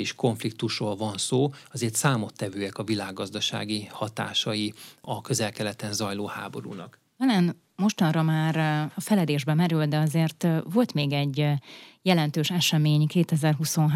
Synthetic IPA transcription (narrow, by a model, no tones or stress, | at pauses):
iʃko̞ɱflik̚t̪uʃroːlvɒnsoːɒzeːrt̪saːmo̞t̪ːɛvøːɛkɒvilaːɡːɒzd̪ɒʃa̰ːɡihɒt̪a̰ːʃɒjiɒkø̞zɛlkɛlɛt̪ɛnzɒjloːha̰ːbo̞̰ɾṵnɒ̰k | tɒlan | mo̞ʃt̪ɒnrɒmaːɾɒfɛlɛd̪eːʒbɛmɛɾyld̪ɛɒzeːrt̪ʋo̞lt̪meːɡɛɟːjɛlɛnt̪øːʃɛʃɛmeːɲkeːt̪ɛzɛrɦuso̞nɦ